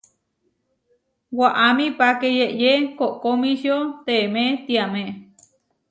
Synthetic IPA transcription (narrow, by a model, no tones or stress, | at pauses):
waʔamĩpakejeʔjekoʔkomĩʃjot̪eːmẽt̪iamẽ